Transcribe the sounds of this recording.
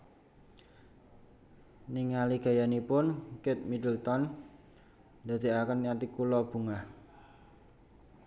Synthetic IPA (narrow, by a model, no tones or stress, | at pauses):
niŋaliɡ̥a̤janipʊnkɪt̪̚midəlt̪ɔn | d̪̥a̤d̪̥i̤akənat̪ikulɔb̥ṳŋah